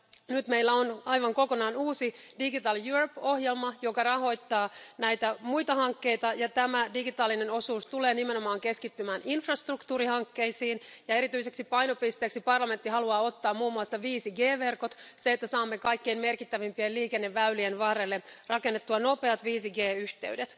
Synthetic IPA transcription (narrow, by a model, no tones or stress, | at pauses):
nyt̪mejlːæonɑjʋɑŋko̞ko̞nɑːnuːsidiɡit̪ɑːljuropo̞hjelmɑjo̞kɑrɑɦo̞jt̪ːɑːnæjt̪æmujt̪ɑɦɑŋkːe̞jt̪ɑjɑt̪æmædiɡit̪ɑːlːineno̞suːst̪ule̞ːnimeno̞mɑːŋke̞skit̪ːymæːninfrɑst̪rukt̪uːɾihɑŋkːe̞isiːn | jɑe̞ɾit̪yijseksipɑjnopist̪eːksipɑrlɑment̪ːiɦɑluɑːo̞t̪ːɑːmmuːmːuɑsːɑʋiːsiɡeːʋe̞rkot̪seet̪ːæsɑːmːekɑjkːeimme̞rkit̪ːæʋimpielliːkenːeʋːæylienʋɑːrelːerɑkenːet̪ːuɑno̞pe̞ɑt̪ʋiːsiɡeːyht̪e̞̰ydet̪